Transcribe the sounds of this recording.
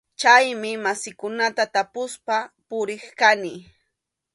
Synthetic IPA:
t͡ʃajmɪmasɪkʊnat̪at̪apʊspapʊɾɪχkanɪ

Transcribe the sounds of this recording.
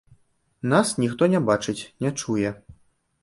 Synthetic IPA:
nasnʲixt̪ɔnʲɛbat͡ʂɨt͡sʲnʲɛt͡ʂujɛ

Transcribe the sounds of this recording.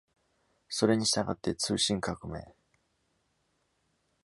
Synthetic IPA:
so̞ɾe̞ɲ̟iɕi̥t̪aɡa̰t̪ːe̞t͡sɨːɕĩŋkakɯ̟me̞̰ː

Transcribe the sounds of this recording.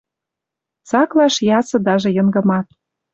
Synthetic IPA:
t͡sɑklɑʃjɑsɤ̆d̪ɑʒɤ̆jɤ̆ŋɡɤ̆mɑt̪

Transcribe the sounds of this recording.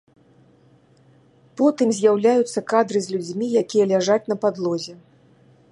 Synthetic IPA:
pɔt̪ɨmzʲjawlʲajut̪sːɐkad̪ɾɨzʲlʲud͡zʲmʲijakʲijɐlʲaʐat͡sʲnɐpad̪lˠɔzʲɛ

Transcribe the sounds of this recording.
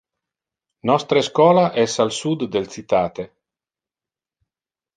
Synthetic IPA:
nɔst̪ɾeskwɔːlaʔɛsalsud̪ːelsit̪aːt̪e

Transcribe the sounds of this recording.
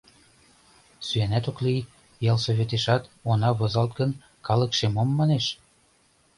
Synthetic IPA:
syænæt̪okli | jɑlsoβet̪eʃɑt̪onɑβozɑlt̪̚ɡən | kɑləkʃemomːɑneʃ

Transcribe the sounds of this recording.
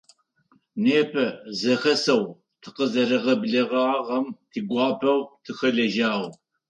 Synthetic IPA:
neːpʰɐzɐxɐsɐw | tʰɨ̥qəzɐɾɨʁɐbɮɐʁɐʁɐmtʰiːɡʷɑːpʰɐwtʰɨxɐɮɐʒaːʁʷ

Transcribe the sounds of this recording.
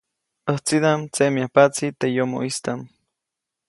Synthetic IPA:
əht͡sid̪amt͡semiahpat͡sit̪ejomo̰ʔist̪am

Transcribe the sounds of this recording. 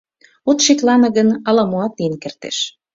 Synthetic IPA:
ot̪ʃeklɑnɤ̆ɣənɑlɑmuɑt̪ːinkert̪ḛʃ

